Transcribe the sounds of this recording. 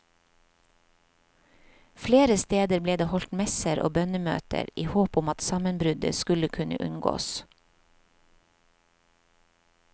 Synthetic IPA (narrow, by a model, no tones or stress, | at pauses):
fleːɾəst̪eːd̪əɾbleːd̪eːhɔlt̪mɛsəɾʔo̰ːbœnəmø̰ːt̪ʰə̰ɾiːhoːpʊmɑt̪sɑmənbɾʉd̪ə̰skʉləkʰʉnə̰ʔʉnɡo̰ːs